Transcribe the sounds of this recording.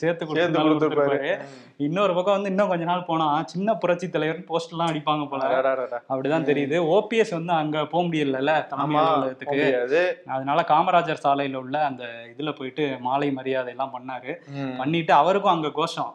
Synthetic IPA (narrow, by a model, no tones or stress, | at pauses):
seːɾt̪ːɯkːɔɽːɐkːʊɽɯpaːɾɯ | ɪnːɐɔɾɯpɐkːɐ̃ʋɐnd̪ɯɪnːõkɔɲd͡ʒɐnaːlpoːɳãːt͡ʃɪnːɐpʊɾɐt͡ʃːɪt̪ːɐlɐɪʋɐɾnpoːsʈɛlːãːɐɽɪpːaːŋɡɐpoːlɐ̃ɐpːɐɽit̪ãːt̪ɛɾɪjɐðɯoːpiɛsʋɐnd̪ɯɐŋɡɐpoːɐmʊɽɪjɐɾɪlːɐlːɐt̪ɐnɐmɪɐɐɾt̪ːɯkːɯjðɐðɯnaːlɐkaːmɐɾaːd͡ʒɐɾsaːlɐjɪlʊɭːɐɐnd̪ɐɪðɯlɐpoːjɪʈːɯmaːlɐɪmɐɾɪjaːðɐɛlːãːpɐɳːaːɾɯpɐɳːɪʈːɯɐʋɐɾɯk̬ːʊ̃ɐŋɡeɡoːʂɔ̃